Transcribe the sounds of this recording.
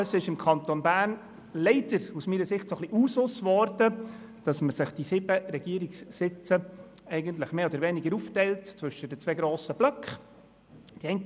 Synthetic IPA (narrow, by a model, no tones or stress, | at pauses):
ɑsɪʃɪmkʰɑnt̪onbæːrn | lɛɪd̥əɾusmiːɾəsɪχtsoχliʔuːsʊsvɔrd̥ə | d̥ɑsməsɪχd̥isɪbəɾɛɡ̥iəɾiksːɪt͡sə | ɛɪɡənt̪̬lɪχmeːodəɾvɛnɪɡəɾuːftɛɪltt͡sʋɵʃədət͡svɛːɡɾoːsəb̥lœkχ | d̥iɛɪnt